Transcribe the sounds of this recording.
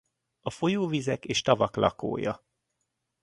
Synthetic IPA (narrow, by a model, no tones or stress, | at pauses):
ɒfo̞joːvizɛkeːʃt̪ɒvɒklɒ̰ko̰ːjɒ̰